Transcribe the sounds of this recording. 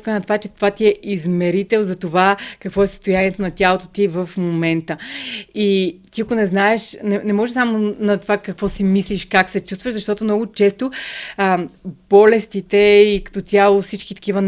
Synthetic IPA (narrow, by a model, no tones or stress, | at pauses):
kənɐt̪ovat͡ʃɛt̪ovat̪iɛizmɛɾit̪ɛlˠzɐt̪ovakɐkvɔɛsə̥st̪ojaniɛt̪onɐt̪ʲjalˠot̪ot̪ivəfmomɛnt̪əit̪iɐkʊnɛznaɛʃnɛnɛmɔʒɛsamonɐt̪ovakɐkvɔsimisliʃkaksɛt͡ʃust̪vəʒzɐʃt̪ɔt̪omnɔɡʊt͡ʃɛst̪oəbɔlɛst̪it̪ɛikɐ̥t̪ɔt̪ʲjalˠofsit͡ʃkit̪ɐ̥k̟ivən